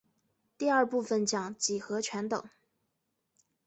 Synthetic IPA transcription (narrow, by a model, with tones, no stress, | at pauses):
t̪i˥˧ɐ˞˥˧pu˥˩fə˩nt͡ɕjɑ˨˩˦ŋt͡ɕi˨˩xɤ˧˥t͡ɕʰɥɛ˧˥nt̪ɤ̰˨˩˦ŋ